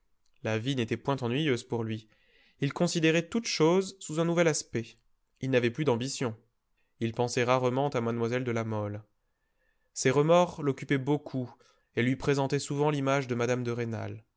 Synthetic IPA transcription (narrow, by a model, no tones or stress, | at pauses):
lavinet̪ɛpwɛ̃t̪ɑ̃nɥijøzpuʁlɥi | ilkɔ̃sid̪eʁɛt̪ut̪ʃozsuzɛ̃nuvɛlaspɛ | ilnavɛplyd̪ɑ̃bisjɔ̃ | ilpɑ̃sɛʁaʁəmɑ̃t̪amad̪mwazɛld̪əlamɔl | sɛʁəmɔʁlɔkʲypɛbokʰu | elɥipχezɑ̃t̪ɛsuvɑ̃limaʒd̪əmad̪amd̪əʁena̰l